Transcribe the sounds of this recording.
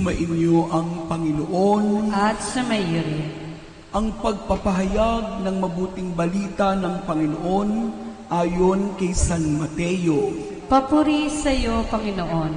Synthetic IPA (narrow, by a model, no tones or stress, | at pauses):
mɐʔɪnjoʔɐŋpɐŋɪnoʔonʔɐt̪̚sɐmɐjiɾɐ | ʔɐŋpɐɡ̚pɐpɐɦɐjaɡ̚nɐŋmɐbuːt̪ɪŋbɐliːt̪ɐnɐŋpɐŋɪnoʔo̞nʔaːjonkɐjsanmɐt̪ɛjo | pɐpuɾisɐjopɐŋɪnoʔon